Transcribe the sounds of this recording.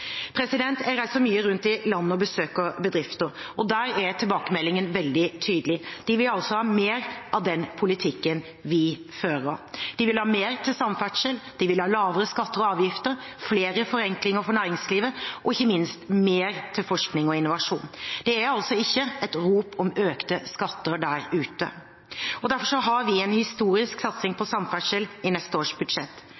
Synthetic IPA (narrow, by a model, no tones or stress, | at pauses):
pʰɾɛsɪd̪ɛnt̪ɛæɾæɪsɔmyːəɾʉnt̪ɪlɑnːəɔbəsøːkɔbəd̪ɾɪft̪əɾʔɔd̪æːɾæt̪ʰɪlbɑːkəmɛlːɪŋənʋɛld̪ɪt̪ʰyːd̪əlɪd̪̥ɪʋɪlɑlsɔhɑːmeːɾʔɑʋd̪ɛnpʰʊlɪt̪ʰɪkːən | ʋɪ | føːɾəɔ̰d̪̥ɪʋɪlhɑːmeːɾt̪ʰɪlsɑmfæʈʂəld̪̥ɪʋɪlhɑːlɑːʋəɾəskɑt̪ːəɾɔɑːʋjɪft̪əɾ | fleːɾəfɔɾɛŋklɪŋəɾfɔɳæːɾɪŋsliːʋəʔɔɪçːəmɪnst̪meːɾt̪ʰɪlfɔʂknɪŋɔɪnʊʋɑʂṵːnd̪̥ɛæɾɑlsɔɪçːəɛt̪ɾuːpʰɔmøːkt̪əskɑt̪ːəɾɖ̪æːɾʉːt̪ə̰ | ɔd̪æɾfɔʂɔɦɑɾʋɪɛnhɪst̪uːɾɪsksɑt̪sɪŋpʰɔsɑmfæʈʂəlɪnɛst̪əoːʂbʉd̪ʂɛt̪ː